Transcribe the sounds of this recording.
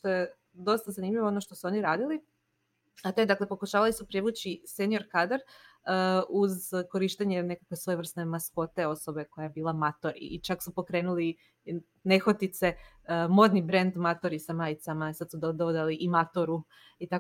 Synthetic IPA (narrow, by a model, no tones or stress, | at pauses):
ʃt̪o̞je | d̪o̞st̪azanimʎʲiʋoonoʃt̪o̞suo̞niɾaːd̪ili | at̪o̞d̪akle̞po̞kuʃaːʋalisupɾeʋut͡ɕise̞nio̞ɾkad̪ɾəuzko̞ɾiʃt̪eɲe̞ne̞kakʋesʋo̞jer̩st̪ne̞masko̞t̪e̞o̞so̞be̞ko̞jajebiːlˠamat̪oɾḭːt͡ʃaksupo̞kɾe̞ːnuli | ne̞xot̪it̪se̞ | mo̞d̪nibɾe̞nd̪mat̪oɾisamaːjt̪samaisad̪sud̪od̪ood̪aliʔimat̪oɾu | it̪a